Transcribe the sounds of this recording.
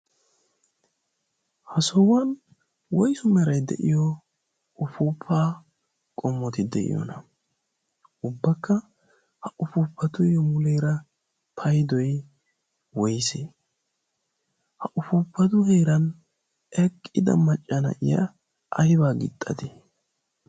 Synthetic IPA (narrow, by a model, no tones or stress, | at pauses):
hɐsɔwɐn | wɔjsʊmɛɾɐjd̪ɛ̰ʔɪjɔ | ʊfuːpʰːaː | kʼɔmːɔt̪ɪd̪ɛ̰ʔɪ̰jɔ̰nɐ | ʊbːɐkːɐ | hɐʔʊfuːpʰːɐt̪ʊjɔmʊlejɾɐ | pʰɐjd̪ɔj | wɔjse | hɐʔʊfuːpːɐt̪ʊhejɾɐn | ɛkʼːɪd̪ɐ̰mɐt͡ʃʼːɐnɐ̰ʔɪ̰jɐ̰ | ɐjbaːɡɪ̰t̪ʼːɐ̰d̪ɪ